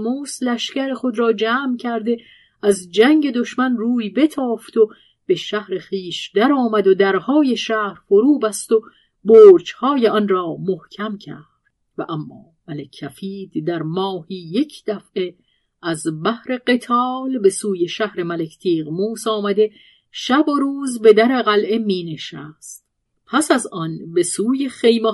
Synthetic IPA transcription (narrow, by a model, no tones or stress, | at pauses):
muːslæʃcæɾexo̞d̪ɾɒːd͡ʒæːmcʰæɾd̪e̞ | æzd͡ʒæŋɟe̞d̪o̞ʃmænruːjbe̞t̪ʰɒːft̪ʰo̞ | b̥e̞ʃæhɾe̞xiːʃd̪æɾɒːmæd̪od̪æɾhɒːje̞ʃæːhɾfoɾuːbæst̪o̞ | boːɾd͡ʒhɒːje̞ɒnrɒːmohcʲʰæmcʰæːɾd̪̥væʔæmːɒ̰ːmælecʰːæfiːd̪d̪æɾmɒːhiːje̞cʰd̪̥æfʔe̞ | æzbæhɾe̞ɢe̞t̪ʰɒːlbe̞suːje̞ʃæhɾe̞mælekʰt̪ʰiːʁmuːsɒːmæd̪e̞ | ʃæboɾuːzbe̞d̪æɾeɣælʔe̞miːne̞ʃæst̪ | pʰæsæzʔɒnbe̞suːje̞χe̞jmo